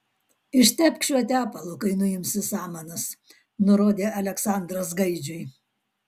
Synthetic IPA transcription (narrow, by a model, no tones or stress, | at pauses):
ɪʃʲt̪ʲɛpʲkʲʃʲʋʲɛt̪ʲæːpɐlˠʊkɐɪnʊjɪmʲsʲɪsɑːmɐnɐs | nʊɾoːd̪ʲeːɐlʲɛksɑˑnd̪ɾɐsɡɐɪd͡ʒʲʊj